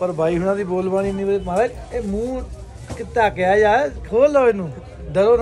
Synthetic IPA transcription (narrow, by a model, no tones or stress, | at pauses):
pəɾbʱaːiːɦʊnãːd̪iːboːlʋaːɽiːnĩːbəeːmãːʋe | eːmũː | kɪt̪aːkeaːd͡ʒaːekʰoːloːenũː | d̪əɾoːn